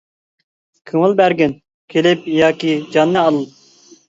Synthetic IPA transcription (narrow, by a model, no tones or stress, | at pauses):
kʰɨŋɨlˠbæɾɡʲɪn | kʲʰelɪp̚jɑːkʲid͡ʒɑnːɨɑlˠɨ